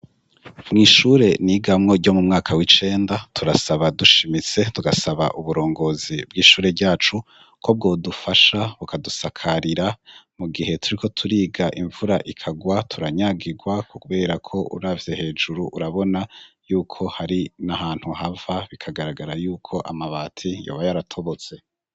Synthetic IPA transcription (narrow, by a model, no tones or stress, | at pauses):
mŋiːʃuːɾe̞niːɡamŋo̞ɟo̞mumŋaːkʰawit͡ʃe̞ːndatʰuɾasaβaduʃimit͡se̞tuɡasaβa̰ʔuβuɾo̞ːŋɡo̞ːzibɡiːʃuːɾe̞bɟaːt͡ʃu | kʰo̞b̚ɡo̞ːdufaʃaβukadusakʰaɾiɾamuɡiɦe̞tʰuɾikʰo̞tʰuɾiːɡaʔiɱvuɾaʔikʰaɡwatʰuɾaɲaɡiɡwakʰokuβe̞ːɾakʰo̞ʔṵɾavje̞he̞ːd͡ʒuɾuʔuɾaβo̞najuːkʰo̞haɾinahaːn̥huhavaβikʰaɡaɾaɡaɾajuːkʰo̞ʔa̰maβaːtʰijo̞̰ːβajaɾatʰo̞βo̞t͡se̞